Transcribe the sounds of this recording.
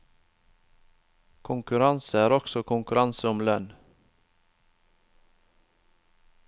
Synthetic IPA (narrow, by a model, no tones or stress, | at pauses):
kʰʊŋkʉɾɑnsəæːɾɔksɔkʰʊŋkʉɾɑnsəɔmlœn